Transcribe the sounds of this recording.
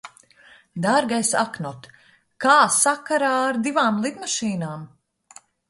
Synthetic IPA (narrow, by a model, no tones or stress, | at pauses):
d̪aɾɡajsa̰knɔt̪ | kaːsakaɾaːaɾd̪ivaːmlˠid̪maʃiːnaːm